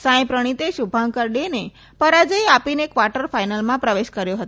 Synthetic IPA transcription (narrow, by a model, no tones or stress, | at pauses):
sãj̃pɾəɽ̃it̪eʃubʱãŋkəɾɖene | pəɾad͡ʒəjapinekʋaɾʈəɾfajnalmãpɾəʋeʃkəɾjoɦət̪